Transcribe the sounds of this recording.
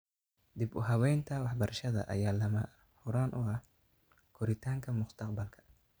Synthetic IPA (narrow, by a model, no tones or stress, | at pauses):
d̪ibʊɦɐwɛjnt̪ʰɐwɑħbɐɾɐʃɐðɐ̰ʔɐ̰jaːlɐmɐ | hʊɾaːnʔʊ̰ɐh | kʰʊɾɪt̪ʰaːŋkʰɐmʊst̪ʰɑqbɐlkʰɐ̥